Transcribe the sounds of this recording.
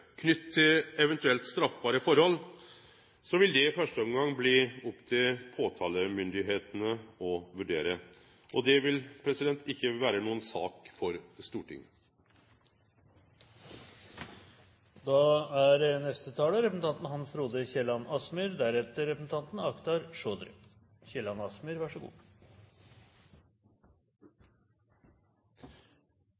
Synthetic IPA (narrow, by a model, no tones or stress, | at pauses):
kʰnʏt̪ʰːɪlɛʋɛnt̪ʉɛlt̪st̪ɾɑfbɑːɾəfɔɾhɔlː | sɔʋɪld̪ɛɪfœʂʈəɔŋɡɑŋːbliːʊpːt̪ʰɪlpʰoːt̪ʰɑːləmʏnd̪ɪɦeːt̪ənəɔʋʉɖeːɾə | ʔɔd̪ɛʋɪlpʰɾɛsɪd̪ɛnt̪ʰɪçːəʋæːɾənuːənsɑ̰ːkfɔɾst̪uːʈʰɪ̰ŋ | d̪ɑæɾnɛst̪ət̪ʰɑːləɾɛpəsn̩ɑnt̪n̩hɑnsɾuːd̪əçɛlɑnɑsmʏɾd̪æɾɛt̪ːəɾɛpəsn̩t̪ɑnt̪n̩ɑkt̪ɑɾʂoːd̪ɾ | çɛlɑnɑsmʏɾʋæʂəɡṵː